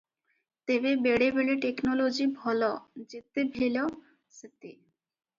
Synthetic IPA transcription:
t̪ebebeɽebeɽeʈeknolod͡ʑibʱɔlɔd͡ʑet̪ebʱelo | set̪e

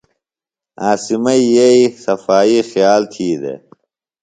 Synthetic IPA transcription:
aːsimɐijeisɐfaːiːxijaːlt̪ʰiːd̪ḛ

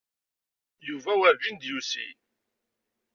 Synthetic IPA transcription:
juvæwævind̪jusḭ

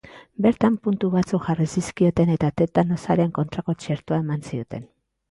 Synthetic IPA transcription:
be̞ɾt̪ampunt̪uβat͡sukʝarisiskio̞t̪e̞ne̞t̪at̪e̞t̪ano̞saɾe̞ŋko̞nt̪ɾako̞t͡ʃe̞ɾt̪uae̞mansio̞t̪e̞̰n

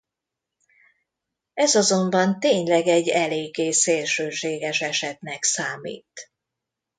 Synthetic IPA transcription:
ɛzɒzo̞mbɒnt̪eːɲlɛɡɛɟːɛleːɡːeːseːlʃøːʃeːɡɛʃɛʃɛt̪nɛksaːmḭːt̪

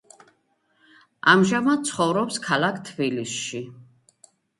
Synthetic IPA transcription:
amʒamad̪̚t̪sʰχɔvɾɔpskʰalakʰt̪ʰbilisʃi

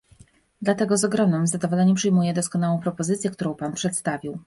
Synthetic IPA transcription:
d̪lat̪ɛɡɔzɔɡɾɔmnɘmzad̪ɔvɔlɛɲɛmpʂɘjmujɛd̪ɔskɔnawɔ̃w̃pɾɔpɔzɘt̪sʲjɛk̚t̪uɾɔ̃w̃panpʂɛt̪st̪avʲiw

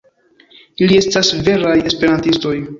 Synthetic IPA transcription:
ilie̞stasve̞ɾaje̞spe̞ɾantisto̞j

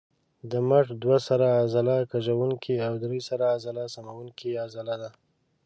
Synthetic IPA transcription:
d̪əmaʈd̪wasaɾaːzalakaʒawuŋkʰiawd̪ɾesaɾaːzalasamawuŋkiazalad̪a

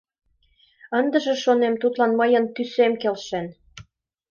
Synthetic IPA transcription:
ənd̪ə̆ʒĕʃonemt̪ut̪lɑnməjə̆nt̪ysemkelʃen

